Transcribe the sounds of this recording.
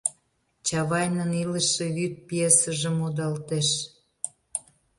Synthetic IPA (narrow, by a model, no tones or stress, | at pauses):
t͡ɕɑβɑjnənilə̆ʃĕβyt̪̚piesə̆ʒə̆mod̪ɑlt̪eʃ